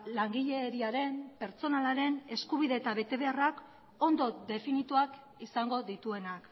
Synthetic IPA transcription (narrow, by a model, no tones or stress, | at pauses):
laŋɡiʎe̞ːɾiaɾe̞mpe̞ɾt͡so̞nalaɾe̞ne̞skuβ̞iðe̞ːt̪aβe̞t̪e̞βe̞arak | o̞nd̪o̞ðe̞finit̪uak | isaŋɡo̞ðit̪ue̞nak